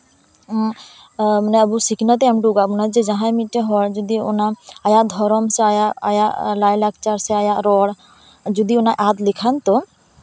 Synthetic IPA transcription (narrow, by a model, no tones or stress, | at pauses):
manɛabusikʰnat̪ɛɛmɖuɡabunad͡ʒɛd͡ʒãɦãjmit̪̚ːɛɦɔɽd͡ʒɔd̪iɔ̰naːjaʔd̪ʱɔɾɔmsɛajaʔa̰jaʔlajlak̚t͡ʃaɾsɛajaʔɾɔɽ | d͡ʒud̪iɔnajʔat̪likʰant̪ɔ